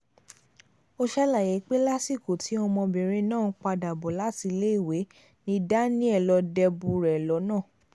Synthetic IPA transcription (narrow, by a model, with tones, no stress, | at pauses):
o˦ʃa˦la˦˨je˨˦k͡pe˦la˦si˦˨ko˨ti˨˦ɔ˧mɔ̃˧bɛ˨ɾ̃ẽ˧nãː˦˨˦k͡pa˧da˨bɔ˨la˨˦ti˧le˦i˦˨we˨˦ | nĩ˦da˦nĩ˦ɛ˦˨lɔ˧˦dɛ˧bu˧ɾɛ˨lɔ˨˦nãː˦˨